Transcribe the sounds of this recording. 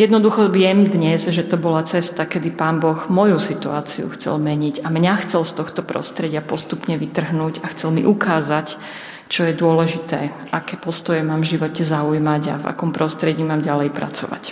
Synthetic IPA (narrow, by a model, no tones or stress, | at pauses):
jɛd̪nɔd̪uxɔʋɪjɛmd̪ɲɛzʒɛt̪ɔbɔlat͡sɛst̪akɛd̪ipaːnbɔɣmɔjusit̪ua̰ːt͡sḭṵxt͡sɛ̰lmɛɲiɟamɲaxt͡sɛlst̪ɔxt̪ɔpɾɔ̰st̪ɾɛɟɪapɔst̪upɲɛʋit̪r̩ɦnuːɟaxt͡sɛlmḭʔukaːzac | t͡ʃɔjɛd̪ʊɔlɛʒit̪ɛ̰ː | ʔakɛːpɔst̪ɔjɛmaːmvʒiʋɔcɛzaujmaɟa̰va̰kɔmpɾɔst̪ɾɛɟiːmaːmɟalɛjpɾa̰t͡sɔ̰ʋa̰c